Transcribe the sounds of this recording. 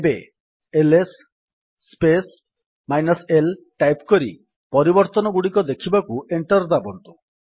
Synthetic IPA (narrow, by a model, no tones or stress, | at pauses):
ebe | elesː | pes | majnɔselʈajpkɔɾi | pɔɾibɔɾt̪ɔnɔɡuɽikɔd̪ekʰibakueɳʈɔɾd̪abɔnt̪u